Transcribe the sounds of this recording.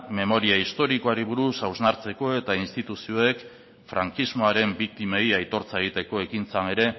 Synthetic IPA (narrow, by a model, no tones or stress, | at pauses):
me̞mo̞ɾiaist̪o̞ɾiko̞aɾiβ̞uɾusawznaɾt͡se̞ko̞e̞t̪ainst̪it̪usio̞e̞k | fɾaŋkizmo̞aɾe̞mbik̚t̪ime̞jajt̪o̞ɾt͡saeɣ̞it̪e̞ko̞e̞kint͡sane̞ɾe̞